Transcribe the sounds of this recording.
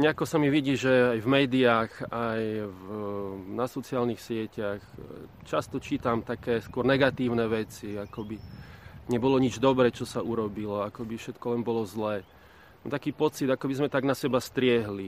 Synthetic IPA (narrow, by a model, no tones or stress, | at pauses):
ɲɛakɔsamiʋiɟiːʒɛajvmɛːd̪iaːxajvnasɔt͡sɪaːlnixsɪɛcax | t͡ʃast̪ɔt͡ʃiːt̪amt̪akɛːskʊɔɾnɛɡat̪iːʊnɛʋɛt͡siakɔbiɲɛbɔlɔɲid͡ʒd̪ɔbɾɛːt͡ʃɔsaʔuɾɔbilɔakɔbifʃɛt̪kɔlɛnbɔlɔzlɛː | t̪akiːpɔt͡sid̪akɔbizmɛt̪aɡnasɛbast̪ɾɪɛɦli